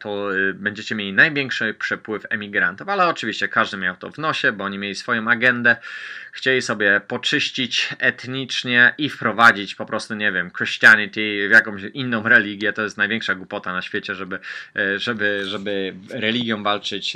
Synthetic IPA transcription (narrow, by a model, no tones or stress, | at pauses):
t̪ɔbɛɲd͡ʑɛt͡ɕɛmʲelʲinajvʲjɛŋkʂɘpʂɛpwɘfɛmʲiɡɾant̪ufalɛɔt͡ʂɨvʲiɕt͡ɕɛkaʐd̪ɘmʲjawt̪ɔ̰vnɔɕɛbɔɔɲimʲelʲisfɔjɔ̃w̃aɡɛnd̪ɛxt͡ɕelʲisɔbʲjɛpɔt͡ʂɘɕt͡ɕit͡ɕɛt̪ɲit͡ʂɲɛʔifpɾɔvad͡ʑit͡ɕpɔpɾʔɔst̪uɲevʲjɛmkɾɨɕt͡ɕianʲit̪ʲivjakɔ̃w̃ɕinːɔ̃w̃ɾɛlʲiɡʲjɛt̪ɔjɛst̪najvʲjɛŋkʂaɡwupɔt̪anaɕfʲjet͡ɕɛʐɛbɘʐɛbɘʐɛbɘɾɛlʲiɡʲjɔ̃w̃valt͡ʂɘt͡ɕ